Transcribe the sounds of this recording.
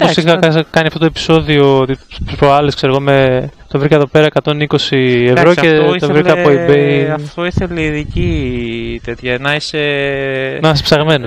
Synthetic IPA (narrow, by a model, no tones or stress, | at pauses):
posikɐɐkɐniɐft̪ot̪oepi̥so̞ðiot̪ipɾoɐleskse̞ɾoɣomet̪ovɾiceðo̞pe̞ɾɐekɐt̪o̞niko̞sieɐɾoset̪ovɾiɐpoibeɐft̪oiθeleiðici | t̪e̞t̪çɐnɐise | nɐɐspsɐɣme̞no